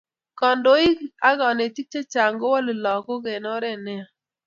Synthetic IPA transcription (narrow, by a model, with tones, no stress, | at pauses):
kɔ˨ndo˦i˦ka˦ɡɔ˨ne˨ti˦k̚t͡ʃe˦t͡ʃa˨ŋɡo˦wɔ˦lɪ˨lɔ˨ko˦ɡe˨nɔ˦ɾɛ˦˨nɛ˦a˨